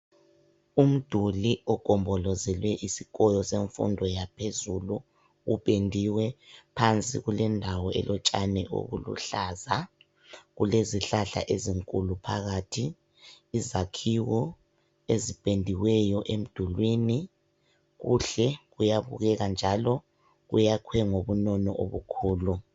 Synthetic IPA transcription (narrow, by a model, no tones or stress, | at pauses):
um̩d̥ʱuliɔɡ̥ʱɔmbʱɔlɔzɛlwɛʔisikʼɔjɔseɱfṵndʱɔjapʰezulu | uɓʼendʱiwɛpʰant͡sʼḭɣulɛndʱawɔʔɛ̰lɔt͡ʃʼanɛʔo̰ɣṵlṵɬaːza | ɣuleziɬaɬa̰ʔeziŋkʼulupʰaɣatʰiː | zakʰiwɔ | ezib̥ʱʼendʱiwɛjɔʔem̩d̥ʱulwini | ɣuɬɛɣujaβṵɣɛɣand͡ʒʱalɔ | ɣṵjakʰwɛŋoβunɔnɔ̰ʔoβukʰuːlu